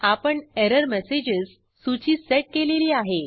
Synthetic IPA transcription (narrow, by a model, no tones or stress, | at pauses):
apəɳɛɾəɾmɛsed͡ʑəzː | ut͡ɕiːsɛʈ̚keleliːaɦe